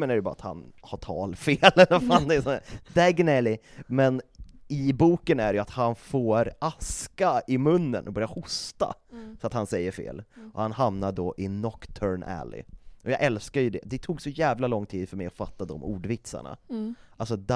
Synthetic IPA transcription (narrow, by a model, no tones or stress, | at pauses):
ənæɾɛjɵbɑːɾa̰t̪ha̰nhaʈʰɑ̰ːlfeːlɛlːəɾfand̪ɛsɔnæɾd̪̥æɡnɛlɪmɛnɪbuːkənæɖɛjʉat̪hanfoːɾʔaskaɪmɵnːə̰nɔbœɾjahʊst̪a̰sɔat̪hansɛjːəɾfḛːlʔɔhanhamnaɖɔʔɪnɔkt̪ʰœɾɳʔæ̰lɪ̰ʔɔjɑːɡʔɛlskaɾjɵd̪ɛ̰d̪ɛt̪ʰuːɡsɔjæːvlalɔŋːt̪ʰiːd̪fœɾmɛjɔfat̪ːad̪ɔmuːɖvɪt̪sa̰ɳa̰ʔalsɔd̪